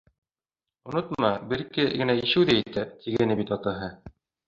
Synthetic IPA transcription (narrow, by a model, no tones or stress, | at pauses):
ŏnot̪mɑbɘ̆ɾkɘɡɘ̆næiʃɘwðæit̪æp̚t̪ʰiɡænɘbit̪ɑt̪ɑɦɤ